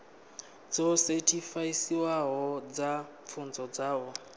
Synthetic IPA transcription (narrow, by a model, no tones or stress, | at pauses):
d͡zɔsetʰifaisiwaɦɔd͡za | fʰund͡zɔd͡zaːwɔ